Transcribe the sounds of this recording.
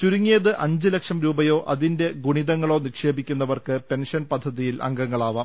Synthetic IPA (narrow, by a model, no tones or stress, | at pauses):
t͡ɕuɾuŋːijɐðɨʔɐɲd͡ʑɨlekʂɐmɾuːbɐjo̞ːʔʔɐðinde̞ɡuɳiðɐŋːɐɭo̞ːnikʂe̞ːbikʲːunːɐʋɐrkɨpe̞nʂɐnpɐd̪ʱːɐðijilʔɐ̰ŋɡɐŋːɐɭaːʋɐː